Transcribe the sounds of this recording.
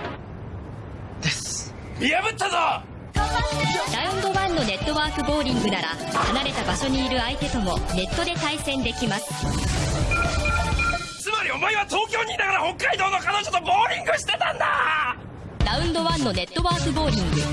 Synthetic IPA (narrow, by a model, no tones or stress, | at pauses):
d̪̥es | ijabɯ̟t̪ːaza | ɾaɯ̟̃nd̪o̞βãnːo̞ne̞t̪ːo̞βaːkɯ̟bo̞ːɾʲĩŋɡɯ̟naɾa̰hanaɾe̞t̪abaɕo̞ɲ̟iːɾɯ̟ait̪e̞t̪o̞mo̞ne̞t̪ːo̞d̪e̞t̪aisẽ̞nd̪e̞kʲimasɨ̥ | t͡sɨmaɾʲio̞maiβat̪o̞ːkʲo̞ːɲ̟inaɡaɾaho̞kːaid̪o̞ːnokanod͡ʑot̪oboːɾʲĩŋɡɯ̟ɕi̥t̪e̞t̪ãnd̪a | ɾaɯ̟̃nd̪o̞βãnːo̞ne̞t̪ːo̞βaːkɯ̟bo̞ːɾʲĩŋɡɯ̟